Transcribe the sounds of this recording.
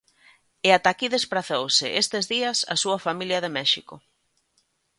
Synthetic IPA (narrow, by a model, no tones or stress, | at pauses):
ɪat̪akiðespɾaθowsɪ̰ʔest̪ezðiɐsa̰suɐfamiljɐðemɛʃikʊ̰